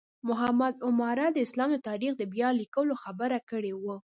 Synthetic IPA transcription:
mʊɦamad̪ʊmɑɾad̪əɪslɑmd̪ət̪ɑɾixd̪əbjɑlikəloxabəɾakəɽewu

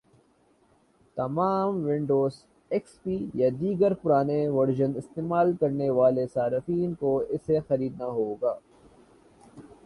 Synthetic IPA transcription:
t̪ɐmaːmʋɪ̃ɳɖoːz | ɛkspiːjad̪iːɡəɾpʊɾaːneʋɐɾd͡ʒənɪst̪eːmaːlkɐɾneʋaːlesaːɾɪfiːnkoɪsexɐɾiːd̪naɦoːɡaː

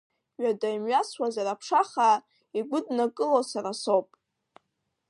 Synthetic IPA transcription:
ɥadajmɥaswazaɾapʰʂaχa | iɡʷʊdnakʼɨlosaɾasowpʼ

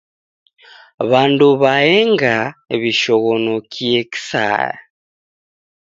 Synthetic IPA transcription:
βaːnduβajeŋɡaeβiʃoɣonokieki̥sa̰ːja̰

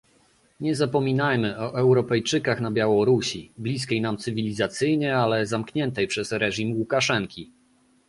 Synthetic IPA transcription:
ɲɛzapɔmʲinajmɘɔʔɛwɾɔpɛjt͡ʂɘkaxnabʲjawɔɾuɕiblʲiskʲejnamt̪sɘvʲilʲizat̪sɘjɲɛalɛzamkɲɛnt̪ɛjpʂɛsɾɛʐimwukaʂɛŋkʲi

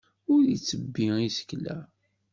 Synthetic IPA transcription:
ʊɾit͡sːəbːiisə̥klæ̰

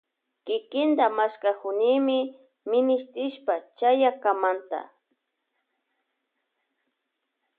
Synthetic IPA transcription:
kɪkɪnd̪amaskakʊnɪmɪ | mɪnɪst̪ɾɪʃpat͡ʃajakamant̪a̰

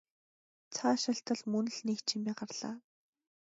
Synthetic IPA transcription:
t͡sʰaːʃaɬt̪ə̆ɮmɵnɵ̆ɮniːkt͡ɕʰimʲiːɢarɮ̥a̰ː

